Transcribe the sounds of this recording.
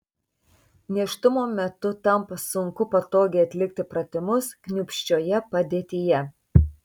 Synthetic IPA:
nʲiɛʃt̪ʊmoːmʲɛt̪ʊt̪ɐmpɐsʊŋkʊpɐt̪oːɡʲeːɐt̪ʲlʲɪk̚t̪ʲɪpɾɐt̪ʲɪmʊsknʲʊːpʲʃʲt͡ʃʲoːjɛpɐd̪ʲeːt̪ʲijɛ

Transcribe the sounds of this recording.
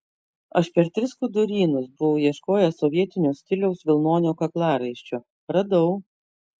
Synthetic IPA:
ɐʃpʲɛɾt̪ʲɾʲɪskʊd̪ʊɾʲiːnʊsbʊʋɐʊjiɛʃkoːjɛsɔʋʲiɛt̪ʲɪnʲoːsʲt̪ʲɪlʲɛʊsʋʲɪlˠnoːnʲoːkɐklˠɑːɾɐɪʃʲt͡ʃʲoː | ɾɐd̪ɐʊ

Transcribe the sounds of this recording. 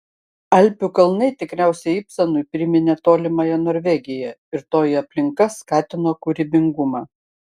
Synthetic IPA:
ɐlʲˑpʲukɐlˠnɐɪt̪ʲɪkɾʲæˑʊsʲɛɪɪpsɐnʊɪpʲɾʲɪmʲɪnʲet̪oːlʲɪmɐjɛnoːɾʲʋʲɛɡʲɪjɛɪɾt̪oːjiɐpʲlʲɪŋkɐskɑːt̪ʲɪnoːkʊɾʲɪbʲɪŋɡʊmɑː

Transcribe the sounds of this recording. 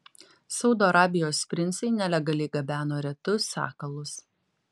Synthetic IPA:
sɒʊd̪oːɐɾɑːbʲɪjoːspʲɾʲɪnʲˑsʲɛɪnʲɛlʲɛɡɐlʲɛɪɡɐbʲæːnoːɾʲɛt̪ʊsʲɑ̰ːkɐlˠʊs

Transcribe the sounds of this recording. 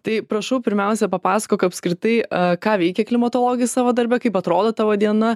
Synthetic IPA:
t̪ɐɪpɾɐʃɐʊpʲɪɾʲmʲɛʊsʲɛpɐpɑːsɐ̥koːkɐt̪ɐpʲsʲkɾʲɪt̪ɐɪkɑːʋʲɛɪkʲɛklʲɪmɐt̪oːlˠoːɡʲɪjʊsɑːʋoːd̪ɐɾʲbʲɛkɐɪpɐt̪ɾoːd̪oːt̪ɑːʋoːd̪ʲiɛnɐ

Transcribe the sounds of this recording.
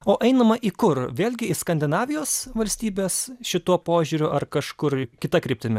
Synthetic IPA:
oːʔɛɪnɐmɐʔikʊrʋʲeːlʲɡʲɪɪskɐnʲd̪ʲɪnɑːʋʲɪjoːsʋɐlʲsʲt̪ʲiːbʲeːsʃʲɪt̪uːpoːʒʲʊɾʲʊʔɐrkɐʃkʊrkʲɪt̪ɐkɾʲɪp̚ʲt̪ʲɪmʲɪ

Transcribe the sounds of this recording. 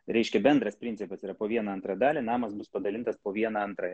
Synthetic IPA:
ɾʲɛɪʃʲkʲɛbʲɛnd̪ɾɐspʲɾʲɪnʲt͡s̪ʲɪpɐsiːɾɐpoːʋʲiɛnɐɐnt̪ɾɑːd̪ɑːlʲinɑːmɐsbʊspɐd̪ɐlʲɪnt̪ɐspoːʋʲiɛnɑɐnt̪ɾɑːj

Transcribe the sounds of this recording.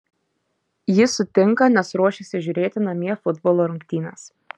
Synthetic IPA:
jɪsʊt̪ʲɪŋˑkɐnʲɛsɾuɔʃʲɪsʲɪʒʲʊɾʲeːt̪ʲɪnɐmʲiɛfʊd̪boːlˠoːɾʊŋʲkʲt̪ʲiːnɐs

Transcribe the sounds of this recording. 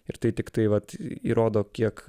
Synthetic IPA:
ɪɾt̪ɐɪt̪ʲɪkt̪ɐɪʋɐt̪ḭːɾoːd̪oːkʲiɛk

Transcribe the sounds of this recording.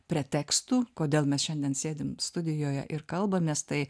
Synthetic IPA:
pʲɾʲiɛt̪ʲæːkst̪uːkoːd̪ʲeːlˠmʲɛsʃʲɛnʲd̪ʲɛnsʲeːd̪ʲɪmst̪ʊd̪ʲɪjoːjɛʔɪɾkɐlˠbɐmʲeːst̪ɐɪ

